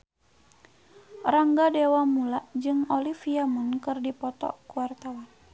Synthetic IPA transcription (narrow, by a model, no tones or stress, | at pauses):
raŋɡadewamulaʔd͡ʒɨŋɔlifiamunkɨrdipɔt̪ɔ̰kuwart̪awan